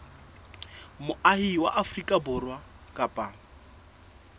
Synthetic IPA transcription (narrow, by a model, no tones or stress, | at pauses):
mʊʔahiwa̰ʔafrikʼabʊrwa | kʼapʼa